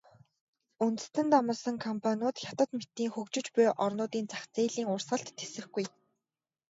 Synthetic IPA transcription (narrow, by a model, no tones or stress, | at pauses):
unt̪ɘ̥̆st̪ɘ̆nt̪amə̆sə̆ŋkʰɔmpʰanʲʊːt̪xʲat̪ə̆t̪met̪ːiːŋxɵkt͡ɕɪ̆t͡ɕpʊjʔɔrnʊːt̪iːnt͡saxt͡seːɮiːŋʊrsə̆ɬt̪ʰːesɘ̆xɡuj